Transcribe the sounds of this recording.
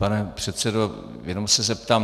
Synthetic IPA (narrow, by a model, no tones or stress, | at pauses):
panɛpr̝̥ɛt̪sɛdo | jɛnomsɛzɛp̚t̪aːm